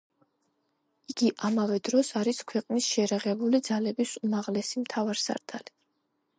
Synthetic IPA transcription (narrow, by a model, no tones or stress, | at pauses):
iɡiʔamavɛd̪ɾɔsaɾiskʰwɛqʼnisʃɛːɾaʁɛbulid̪zalɛbisumaʁlɛsimt̪ʰavaɾsa̰ɾt̪ʰali